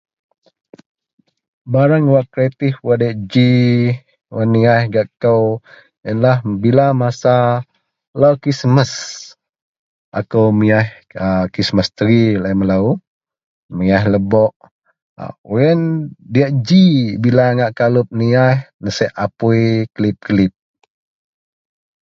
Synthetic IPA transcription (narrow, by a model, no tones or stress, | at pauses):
baɾaŋwaʔkɾet̪ihwadaʔd͡ʒi | wənːiajhɡaʔkəw | jənlahbilamasa | lawkɾisməs | ʔa̰kowmiah | əkisməst̪əɾilajməlau | miahləbɔʔ | uəndiaʔd͡ʒibilaŋaʔkalup̚niajhnəsɛʔapujkəlip̚kəlip̚